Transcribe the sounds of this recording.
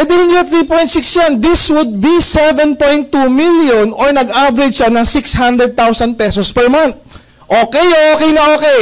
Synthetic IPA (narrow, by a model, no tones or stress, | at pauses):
ɛd̪ɛhɪnd̪iːɐt̪ɾiːpo̞j̃t̪siksjand̪iswʊd̪̚bisɛvɛnpojnt̪ːumiljonʔoɹnɐɡʔabɾɛd͡ʒʃanɐŋsikshand̪ɾɛd̪̚t̪awsɐnd̪̚pɛsospɛɹmant̪̚ | ʔoːkɛjoʔoːkɛjnɐʔoːkɛj